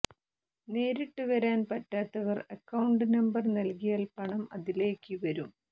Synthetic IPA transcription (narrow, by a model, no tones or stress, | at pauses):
ne̞ːɾiʈːɨʋɐɾaːnpɐtːaːt̪ːɐʋɐrɐkːɐwɳɖɨnɐmbɐrnɐlkijaːlpɐɳɐmɐðile̞ːkːɨʋɐɾum